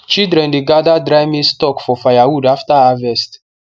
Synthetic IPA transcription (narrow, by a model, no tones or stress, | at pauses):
t͡ʃidɾɛ̃ndeɡadadɾajmistɔkfɔfajawudaftaavɛst